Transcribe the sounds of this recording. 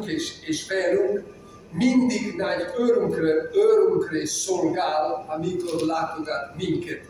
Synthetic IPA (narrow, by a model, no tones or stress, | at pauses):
keʃeːʃvɛːɾyŋk | mind̪iɡnaɟøːɾyŋkrøøːɾyŋkreʃsolɡaːlɒmit̪od̪laːt̪od̪amiŋkɛt̪